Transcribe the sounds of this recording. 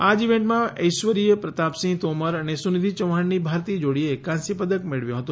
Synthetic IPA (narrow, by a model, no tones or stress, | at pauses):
ad͡ʒiʋẽɳʈmãə̰jʃʋəɾijəpɾət̪apsĩt̪oməɾənesunid̪ʱit͡ʃəʋaɳnibʱaɾt̪id͡ʒoɽiekãnsipəd̪əkmeɭʋjõɦət̪õ